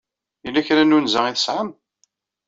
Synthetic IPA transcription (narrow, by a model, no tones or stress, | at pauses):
ilːæçɾænunzəiθəsʕəm